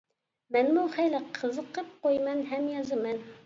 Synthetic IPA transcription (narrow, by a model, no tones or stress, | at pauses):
mɛnmuχæjlɨqʰəzəqəp̚qojmɛnɦɛmjɑzɨmɛn